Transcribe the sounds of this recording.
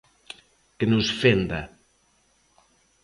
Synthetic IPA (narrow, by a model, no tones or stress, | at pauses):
kenusfend̪ɐ